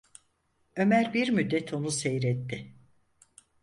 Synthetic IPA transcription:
ø̞mæɾbiɾmyd̪ːɛt̪ʰo̞nusejɾɛt̪ːɪ

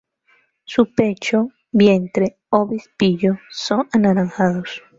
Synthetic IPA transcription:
supet͡ʃo | bjent̪ɾe | oβispiʎosoŋanaɾaŋxaðos

